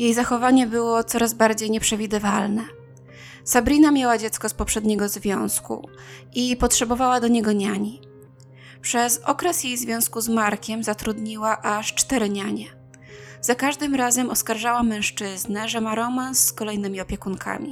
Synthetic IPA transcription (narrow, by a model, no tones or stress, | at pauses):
jejzaxɔvaɲɛbɘwɔt̪sɔɾazbaɾd͡ʑejɲɛpʂɛvʲid̪ɘvalnɛ | sabɾʲinamʲjawad͡ʑɛt̪skɔspɔpʂɛd̪ɲɛɡɔzvʲjɔ̃w̃skṵ | ʔipɔtʂɛbɔvawad̪ɔɲɛɡɔɲaɲi | pʂɛzɔkɾɛsjejzvʲjɔ̃w̃skuzmaɾkʲɛmzat̪ɾud̪ɲiwaʔaʂt͡ʂt̪ɛɾɘɲaɲɛ | z̥akaʐd̪ɘmɾazɛmɔskaɾʐawamɛ̃w̃ʂt͡ʂɘznɛʐɛmaɾɔmansːkɔlɛjnɘmʲiɔpʲjɛkunkʰa̰mʲḭ